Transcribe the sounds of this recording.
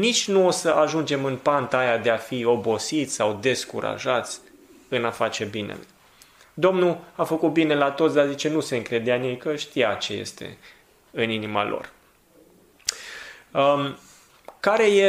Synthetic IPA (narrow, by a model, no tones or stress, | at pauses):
nit͡ʃʲnuosəʔaʒund͡ʒe̞mɨnpant̪ajad̪e̞afio̞bo̞sit̪sʲsawd̪e̞skṵɾa̰ʒat̪sʲ | ɨnafat͡ʃe̞binḛlu | d̪o̞mnuafəkut̪̚bine̞lat̪ot̪sd̪eazit͡ʃe̞nuse̞ɨŋkɾe̞d̪eanjejkəʃt̪ijat͡ʃe̞je̞̰st̪e̞̰ | ɨninima̰lo̞̰r | kaɾe̞je